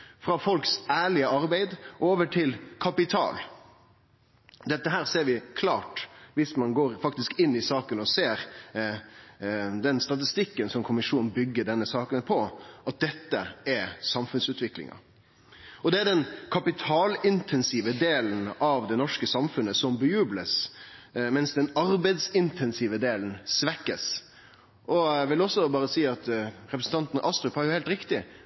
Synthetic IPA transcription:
fɾɑfɔlksæːɭɪəɑɾbæɪd̪ʔoːʋəʈʰɪlkʰɑpɪt̪ʰɑ̰ːl | d̪ɛt̪ːəɦæːɾseːɾʋɪkʰlɑːʈʋɪsmɑnɡoːɾfɑkt̪ɪskɪnːɪsɑːkənɔseːɾ | d̪ɛnst̪ɑt̪̬ɪst̪ɪkːənsɔmkʰʊmɪʂuːnn̩bʏɡːəɖɛnːəsɑːkənpʰɔʔɑt̪̚d̪ɛt̪ːəɛsɑmfʉnsʉːt̪ʰʋɪklɪ̰ŋɑ̰ | ɔd̪ɛæɖɛnkʰɑpɪt̪ʰɑːlɪnt̪ʰɛnsiːʋəd̪eːlnɑʋd̪ɛnɔʂkəsɑmfʉnːəsɔmbəjʉːbləs | mɛnsd̪ɛnɑɾbæɪd̪sɪnt̪ʰɛnsiʋəd̪eːln̩sʋɛkːəs | ʔɔʋɪlɔsːɔbɑːɾəsiːɑt̪ɾɛpɾsn̩t̪ɑnt̪n̩ʔɑst̪ɾʉphɑɾjʊhɛɪlt̪ɾɪkt̪ɪ

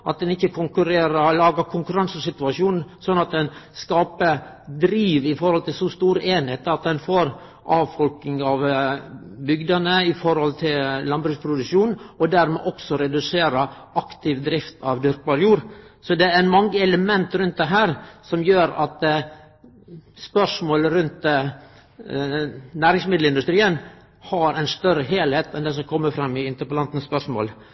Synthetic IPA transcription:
ʔɑt̪̚d̪ɛnɪçːəkʰʊŋkʉɾeːɾəlɑːɡəkʰʊŋkʉɾɑnsəsɪt̪ʉɑʂuːnn̩sɔnːɑt̪̚d̪ɛnskɑːpə | d̪ɾiːʋɪfɔɾhɔlt̪ʰɪlsɔst̪uːɾəʔeːnheːt̪ɑt̪̚d̪ɛnfoːɾ | ʔɑːʋfɔlknɪŋɑʋ | bʏɡd̪ɑnəɪfɔɾhɔlt̪ʰɪllɑnbɾʉɡspʰɾʊd̪ʉʃuːnnɔd̪æɾmɛ̰ʔɔksɔɾɛd̪ʉseːɾə | ɑkt̪ɪʋd̪ɾɪft̪ʰɑʋd̪ʏɾkbɑɾjuːɾsɔd̪ɛæɾmɑŋːəɛləmɛnt̪ɾʉnt̪̚d̪ɛɦæːɾsɔmjøːɾɑt̪ | spœʂmoːləɾʉnt̪ | næːɾɪŋsmɪd̪l̩ɪnd̪ʉst̪ɾiːən | hɑɾæɪnst̪œɾəɦeːlheːt̪ɛnd̪ɛs̬ɔmkʰɔmːəfɾɑmːɪɪnt̪əɾpɑlɑnt̪n̩spœʂmo̰ːl

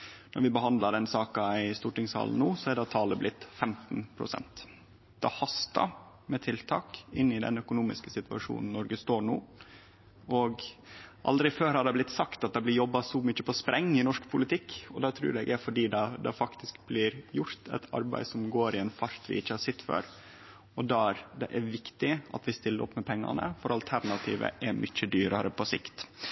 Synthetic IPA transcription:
nɔɾʋɪbəhɑnd̪lɑɖ̪ɛnsɑːkɑæɪst̪uːʈɪŋshɑ̰ːln̩nuːsɔæd̪ɑt̪ʰɑːləblɪt̪ːfɛmt̪npʰɾʊ̰sɛ̰nt̪ | d̪̥ɛhɑst̪ɑ̰ | mɛt̪ʰɪlt̪ʰɑ̰ːkɪnːɪd̪ɛ̰nœkʊnuːmɪ̰skəsɪt̪ʋɑ̰ʂṵːnn̩nɔɾɡəst̪oːɳṵː | ʔɔɡʔɑ̰ld̪ɾɪføːɾhɑd̪ɛblɪt̪sɑkt̪ɑt̪̚d̪ɑblɪɾjɔbːɑsɔmʏc͡çːəpʰɔspɾʔɛŋːɪnɔʂkpʰʊlɪt̪ʰɪkːɔd̪ɑːt̪ʰɾʉ̰ːɾɛɡæfɔɖiːd̪ɑd̪ɛfɑkt̪ɪskblɪɾjʊɾt̪ʰæ̰ɪt̪ʰɑ̰ɾbæ̰ɪsɔmɡoːɾɪɛnfɑɾt̪ʋɪ̰ʔɪçːəhɑsɛt̪ːfø̰ːɾ | ɔd̪ɑɾd̪ɛʔæɾʋɪkt̪ɪɑ̰t̪ʋɪst̪ɪlːəɾʔɔ̰pːmɛpʰɛŋːɑ̰nə̰fɔɾɑlt̪ʰæɾnɑt̪ʰḭːʋə̰ʔɛɾmʏt͡ʃːəd̪yːɾɑɾəpʰɔsɪ̰kt̪

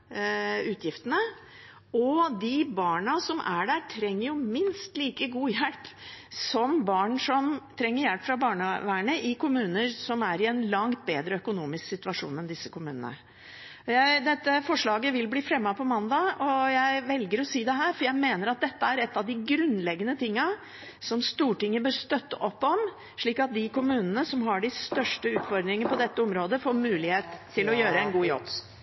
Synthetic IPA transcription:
ʉːt̪ʰjɪft̪ənə | ɔd̪ɪbɑːɳɑsɔmʔæɖæːʈʰɾɛŋːəɾjʊmɪnst̪liːkəɡuːjɛlpsɔmbɑːɳʂɔmt̪ʰɾɛŋːəɾjɛlpfɾɑbɑːɳəʋæːəɳəʔɪkʊmʉːnəɾsɔmæɾɪɛnlɑŋt̪̚beːd̪ɾəœkʊnuːmɪsksɪt̪ʉɑʂṵːnɛnd̪ɪsːəkʰʊmʉ̰ːnə̰nə̰ | jæɪd̪ɛt̪ːəfɔʂɭɑːɡəʋɪlbliːfɾɛmːɑpʰɔmɑnd̪ɑɔjæɪʋɛlɡəɾɔsiːd̪ɛɦæːɾfɔɾjæɪmeːnəɾɑt̪̚d̪ɛt̪ːəæɾɛt̪ːɑʋd̪ɪɡɾʉnlɛɡːənət̪ʰɪŋːɑ | sɔmst̪uːʈɪŋːəbøːɾst̪œt̪ːə̰ʔɔpːɔm | ʂɭiːkɑt̪̚d̪ɪkʊmʉːnənəsɔmɦɑɖɪst̪œʂʈəʉːt̪fɔɾd̪ɾɪŋənəpʰɔd̪ɛt̪ːəɔmɾoːd̪əfoːɾmʉːlɪheːt̪ʰːɪlɔjøːɾəɛnɡuːjɔ̰t̪

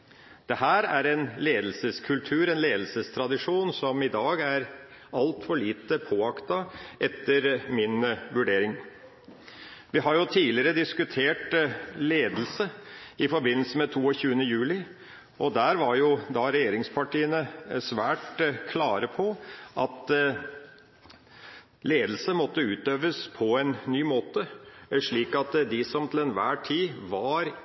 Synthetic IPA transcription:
d̪̥ɛhæːɾæ̰ɾɛnleːd̪l̩səskʰʉlt̪ʰʉːɾɛnleːd̪l̩səst̪ʰɾɑd̪ɪʂuːnsɔmɪd̪ɑːɡæɾ | ɑlt̪fɔɭiːt̪əpʰoːɑkt̪ɑʔɛt̪ʰːəɾmɪnʋʉɖeːɾɪŋ | ʋɪɦɑɾjʊt̪ʰiːlɪəɾəd̪ɪskʉt̪ʰeːʈleːd̪l̩səɪfɔɾbɪnl̩səmɛt̪ʰuːɔçʉːənəjʉːlɪ | ʔɔd̪æːɾʋɑɾjʊd̪ɑɾɛjeːɾɪŋspʰɑʈʰiːənəsʋæːʈkʰlɑːɾəpʰɔʔɑt̪ | leːd̪l̩səmɔt̪ːəʉːt̪øːʋəspʰɔɛnːyːmoːt̪əʂɭiːkɑt̪d̪ɪsɔmt̪ʰɪlɛnʋæ̰ːʈʰiːʋɑɾ

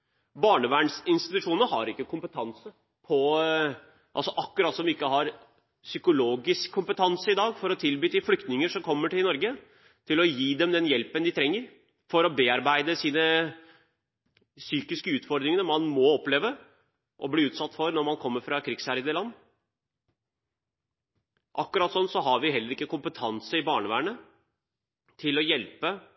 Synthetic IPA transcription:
bɑːɳəʋæːɳsɪnst̪ɪt̪ʉʂuːnəəɦɑ̰ɾɪkːəkʰʊmpət̪ʰɑnsə | pʰɔ | ʔɑlsɔʔɑkːʉɾɑt̪ːsɔmʋɪɪkːəɦɑɾ | sʏkʊloːɡɪskʰːʊmpət̪ʰɑnsəɪd̪ɑːɡfɔɾɔt̪ʰɪlbyːd̪ɪflʏkt̪nɪŋəʂɔmkʰɔmːəʈɪlnɔɾɡə | t̪ʰɪlɔjiːd̪ɛmd̪ɛnjɛlpənd̪ɪt̪ʰɾɛŋːəɾ | fɔɾɔbeːɑɾbæɪd̪əsiːnə | syːkɪskəʉːt̪fɔɾd̪ɾɪŋənəmɑnmɔɔpːleːʋə | ʔɔbliːʉːt̪sɑt̪ːfɔɾnɔɾmɑnkʰɔmːəɾfɾɑkʰɾɪɡsæɾəd̪əlɑnː | ʔɑkːʉɾɑːt̪sɔnːsɔɦɑɾʋɪɦɛlːəɾɪkːəkʊmpət̪ʰɑnsəɪbɑːɳəʋæːɳə | t̪ʰɪlɔjɛlpə

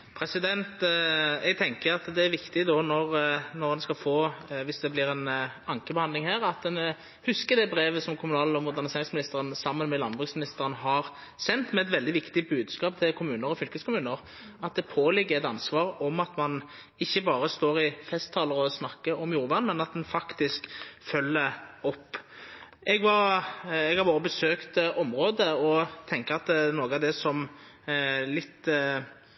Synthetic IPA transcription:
pʰɾɛsɪd̪ɛnt̪ɛɡ̚t̪ʰɛŋkəɾɑt̪d̪ɛæɾʋɪkt̪ɪd̪onɔɾnɔʁd̪ɑnskɑfoːʋɪsd̪ɛblɪɾɛnɑŋkəbɛhɑnd̪ɪŋhæːɾɑt̪d̪ɛn | hʉskəd̪ɛbɾeːʋəsɔmkʰʊmʉnɑːlɔmʊd̪æʁnɪseːʁɪŋsmɪnɪst̪əʁənsɑmːənmɛlɑnbʁʉksmɪnɪst̪əʁənəɦɑʁ | sɛnt̪mɛɛt̪ʋɛld̪ɪʋɪkt̪ɪbʉːd̪skɑːp̚t̪ʰɪlkʰʊmʉːnəɾɔfʏlkəskʰʊmʉːnəɾ | ɑt̪̚d̪ɛpʰoːlɪɡːəɾɛt̪ɑnsʋɑːɾɔmɑt̪mɑn | ɪçːəbɑːɾəst̪oːɾɪfɛst̪ʰːɑːləɾɔsnɑkːəʔɔmjuːɾʋæʁnmɛnɑt̪̚d̪ɛnfɑkt̪ɪskfœlːəɔpː | ɛɡʋɑɾɛɡhɑɾbɑːɾəbəsøːkt̪ɔmɾoːd̪əɔt̪ʰɛŋkəɑt̪̚d̪ɛnoːɡəɑʋd̪ɛsɔm | lɪt̪ː

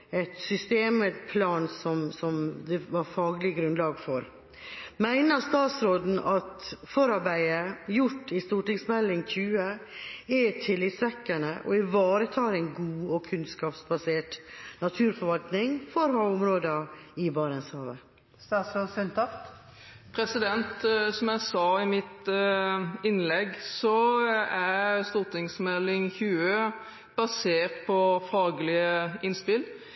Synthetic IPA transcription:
ɛt̪sʏst̪eːməpʰlɑːnsɔmsɔmd̪ɛʋɑɾfɑːɡlɪɡɾʉnd̪lɑːɡfɔɾ | mæɪnəɾst̪ɑːt̪sɾoːd̪n̩ɑt̪fɔɾɑɾbæɪəjʊʈːɪst̪uːʈɪŋsmɛlːɪŋçʰʉːə | ɛt̪ʰɪlːɪt̪sʋɛkːənəʔɔ̰ɪʋɑːɾət̪ʰɑːɾɛɪnɡuːɔkʰʉnskɑːpsbɑseːʈnɑt̪ʰʉːɾfɔɾʋɑlt̪nɪŋfɔɾhɑʊmɾoːd̪ɑɪbɑːɾɛnshɑːʋə̰ | sæsɔsʏnt̪ʰɑft̪ | pʰɾɛsɪd̪ɛnt̪sɔmjæɪsɑːɪmɪt̪ | ɪnlɛɡsɔæɾst̪uːʁt̪ʰɪŋsmɛlːɪŋçʉːø | b̥ɑseːʁt̪̚pʰɔfɑːɡlɪəɪnspɪl

